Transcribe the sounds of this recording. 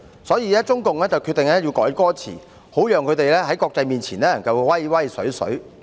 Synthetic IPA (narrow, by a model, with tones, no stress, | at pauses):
sɔː˨˥jiː˨˧lɛː˥t͡sʊ˥ŋkʊ˨ŋlɛː˥t͡sɐ˨wkʰyː˧t̪ɪ˨ŋlɛː˥jiː˧wkɔː˨˥jkɔː˥t͡sʰḭː˨˩ | ho˨˥wjœː˨˧ŋkʰɵ˨˧t̪e˨jlɛː˥ɦɐ˨˥jkɔː˧k̚t͡sɐ˧jmiː˨˩nt͡sʰiː˨˩nlɛː˥ɐ˨˩ŋkɐ˨˧wwɐ˥jwɐ˥jsɵ̰˨˥ɥsɵ̰˨˥ɥ